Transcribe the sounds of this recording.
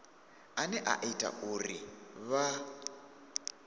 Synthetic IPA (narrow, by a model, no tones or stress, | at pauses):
anɛʔa̰ʔitʼa̰ʔuriβa